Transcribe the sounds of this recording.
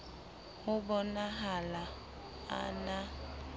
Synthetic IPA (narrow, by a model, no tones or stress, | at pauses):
ʊbɔnaɦala | a̰na